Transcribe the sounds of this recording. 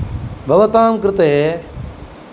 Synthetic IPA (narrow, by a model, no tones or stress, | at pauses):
bʱəʋɐt̪aːmkəɾt̪eː